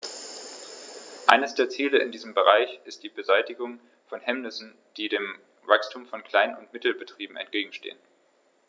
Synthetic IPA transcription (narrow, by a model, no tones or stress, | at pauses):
ʔa̰ɪnəsd̥eːɐt͡siːləɪndiːzəmbəʁaɪçʔɪst̚d̥iːbəzaɪtɪɡʊŋ | fɔnhɛmnɪsn̩ | d̥iːdeːm | vakstʰuːmfɔnkʰl̥aɪnʊntmɪtl̩bətʁ̥iːbm̩ɛ̰ntɡ̥eːɡŋ̩ʃtḛːən